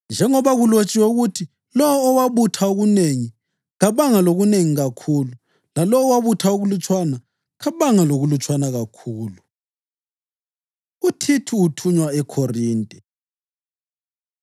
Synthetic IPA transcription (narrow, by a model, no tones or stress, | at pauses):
nd͡ʒʱɛŋɔβaɣulot͡ʃʼiwɛuɣutʰi | lɔwɔːwaβutʰaoɣuneŋi | ɣaβaŋaloɣuneŋiɣakʰuːlu | lalɔwɔwaβutʰaoɣulut͡ʃʼwana | ɣaβaŋaloɣulut͡ʃʼwanaɣakʰuːlu | utʰitʰuːtʰuɲwaɛkʰoriːntʼɛ